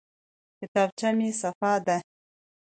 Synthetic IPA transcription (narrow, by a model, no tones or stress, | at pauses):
kɪt̪ɑb̚t͡ʃamisafɑd̪a